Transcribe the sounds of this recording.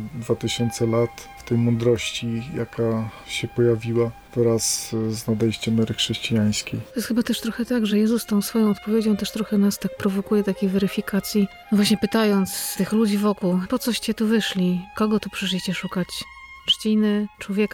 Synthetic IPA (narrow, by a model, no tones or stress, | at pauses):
d̪vat̪ɘɕɔnt̪sɛlat̪ft̪ɛjmɔnd̪ɾɔɕt͡ɕija̰kʰa | ɕɛpɔjavʲiwa | vɾasznad̪ɛjɕt͡ɕɛmːɛɾɘxʂɛɕt͡ɕijaj̃skʲejt̪ɔjɛst̪xɘbat̪ɛʂt̪ɾɔxɛt̪aɡʐɛjɛzust̪ɔ̃w̃sfɔjɔ̃w̃ɔt̪̚pɔvʲjed͡ʑɔ̃w̃t̪ɛʂt̪ɾɔxɛnast̪ak̚pɾɔvɔkujɛt̪akʲejvɛɾɘfʲikat̪sʲjinɔvwaɕɲɛpɘt̪ajɔnt̪st̪ɘxlud͡ʑivɔkuwpɔt̪sɔɕt͡ɕɛt̪uvɘʂlʲikɔɡɔt̪upʂɛʂ̬lʲiɕt͡ɕɛʂukat͡ɕ | t͡ʂt͡ɕinɘt͡ʂwɔvʲjɛka